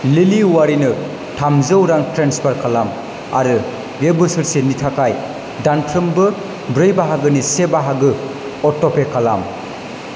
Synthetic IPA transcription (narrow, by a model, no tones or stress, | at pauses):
liliwaɾinɯ | tʰamzɯwɾaŋtɾenspʰaɾkʰalam | a̰ɾɯ | ɡebɯsɯɾsenitʰakʰaj | dantʰɾɯmbɯ | bɾɯjbaɦaɡɯnisebaɦaɡɯ | ɔtːopekʰala̰m